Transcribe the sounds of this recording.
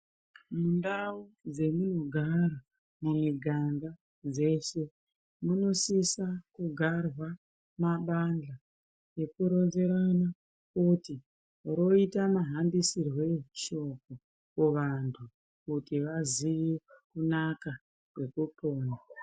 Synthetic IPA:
mundaud͡ze̞muno̞ɡʱaɾa | mumiɡʱaŋɡa | d͡ze̞se̞ | muno̞sisakuɡʱarwa | maɓand͡ɮa | je̞kuɾo̞nze̞ɾana | kuti | ɾo̞itamaɦanbisirwe̞ʃo̞ko | kuʋantʰu | kutiʋaziʋikunaka | kwe̞kupoːna

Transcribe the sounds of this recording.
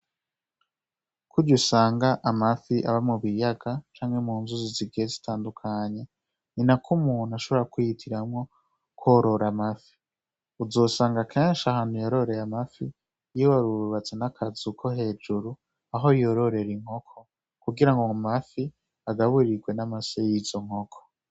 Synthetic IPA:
kʰuɾɟusaːŋɡaʔamafiʔaβamuβijaɡat͡ʃaːŋe̞muːnzuziziɡeezitʰaːndukʰaɲe̞ | ninakʰumuːn̤̥uaʃo̞βo̞ɾakujitʰiɾamŋo̞ | kʰoɾo̞ɾamafi̥ | uzo̞ːsaːŋɡakʰeːnʃahaːn̥hujoɾo̞ɾe̞ɾamafi | jiwaɾuβat͡senakʰazukʰo̞ɦe̞ːd͡ʒuɾu | aɦo̞jo̞ɾo̞ɾe̞ɾiŋ̥ho̞kʰo̞ | kuɡiɾaŋɡomafi | aɡaβuɾiɡwe̞namasejizo̞ŋ̥ho̞kʰo̥

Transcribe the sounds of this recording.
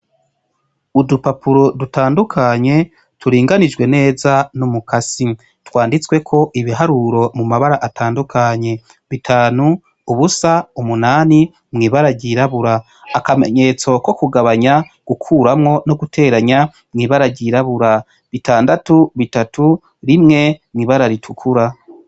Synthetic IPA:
udupapuɾodutaːndukʰaɲe̞ | tʰuɾiːŋɡanid͡ʒɡwe̞ne̞ːzanumukasi | twaːndit͡swe̞kʰo̞ʔiβiɦaɾuɾo̞mumaβaɾaʔatʰaːndukʰaɲe̞ | βitʰaːnu | uβusaumunaːni | mŋiːβaɾaɟiːɾaβuɾaː | kame̞̰ɲe̞t͡so̞ko̞kuɡaβaɲaɡ̥ukʰuːɾamŋo̞no̞ɡutʰe̞ːɾaɲa | mŋiːβaɾaɟiːɾaβuɾa | βitaːndatuβitatʰu | ɾimŋe̞mŋiːβaɾaɾitʰukʰuɾa

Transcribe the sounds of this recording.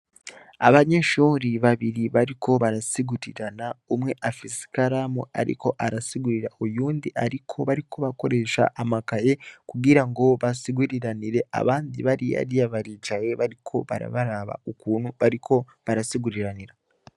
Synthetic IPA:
a̰βaɲe̞ʃuːɾiβaβiɾiβaɾikʰo̞βaɾasiɡuɾiɾanaumŋe̞ʔafisi̥kaɾamua̰ɾḭko̞ʔaɾasiɡuɾiɾaujuːndiʔaɾikʰo̞βaɾikʰo̞βako̞ɾe̞ʃa̰ʔamakaje̞kuɡiɾaŋɡo̞βasiɡuɾiɾaniɾe̞a̰βaːndḭβaɾia̰ɾijaβaɾit͡ʃaje̞βaɾikʰo̞βa̰ɾa̰βaɾaβa̰ukuːn̥huβaɾikʰo̞ | βaɾasiɡuɾiɾaniɾa

